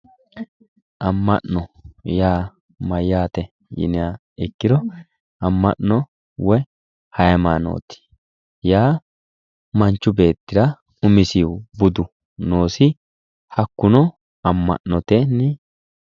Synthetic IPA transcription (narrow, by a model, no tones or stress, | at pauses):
ʔɐmːɐ̰ʔɔjaː | mɐjːaːt̪ɛ | jɪ̰nɪa | ɛkːɪɾɔ | ɐmːɐ̰ʔnɔ | wɛ | hɐjɐmaːno̰ːt̪ɪ̥ | jaː | mɐnt͡ʃːʊbe̞ːt̪ːɪɾɐ | ʊmɪsibʊd̪ʊ | no̞ːsɪ | hɐkːʊnɔ | ɐmːɐ̰ʔnɔt̪enːɛ